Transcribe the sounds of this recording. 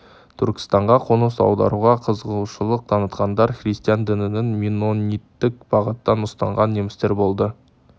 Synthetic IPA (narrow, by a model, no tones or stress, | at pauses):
t̪ʰʏɾkʲɪ̥st̪ɑɴʁɑqʰonəsɑ̰wd̪ɑ̰ɾuʁɑqʰəzəʁuwʃəlˠəq̚t̪ʰɑnət̪qɑnd̪ɑɾχrist̪ijɑnd̪ɪnɪnɪŋmʲinonʲit̪ːɪk̚b̥ɑʁət̪ːɑnʊst̪ɑ̰ɴʁɑnːemɪst̪e̞ɾbo̞lˠd̪ə